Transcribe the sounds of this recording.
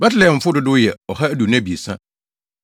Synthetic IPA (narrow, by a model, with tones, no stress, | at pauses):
ba˦tɪ˦lɛ˨fʊ˦dʊ˦dʊ˦jɛ˨ɔ˨ha˦æ˦du˨nã˦bi˨e˨sã˦